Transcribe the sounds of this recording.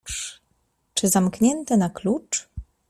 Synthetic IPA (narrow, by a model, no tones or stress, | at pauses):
t͡ʂɘzamkɲɛnt̪ɛnaklut͡ʂ